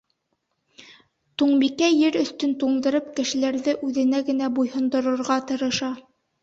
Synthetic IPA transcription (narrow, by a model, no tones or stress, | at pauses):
t̪uɴbikæjɘɾɵ̆θt̪ɵnt̪uɴd̪ɤ̆ɾɤp̚kɘ̆ʃɘ̆læɾðɘʔʉðɘ̆næɡɘ̆næbujhɤ̆nd̪ɤ̆ɾɤ̆ɾʁɑt̪ɤ̆ɾɤ̆ʃɑ